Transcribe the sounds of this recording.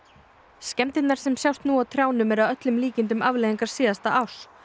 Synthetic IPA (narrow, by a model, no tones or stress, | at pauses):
scɛmt̪ɪt̪naɾ̥sɛmsjawst̪nuawt̪ʰɾjaːwnʏmɛɾaðœt̪lʏmliːcɪnt̪̬ʏmavlejɣiŋkaɾ̥siːðast̪aʔaws